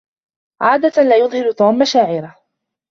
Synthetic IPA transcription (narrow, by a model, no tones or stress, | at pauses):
ʕaːd̪alaːjʊðˤhɪɾt̪uːmːaʃaːʕɪɾa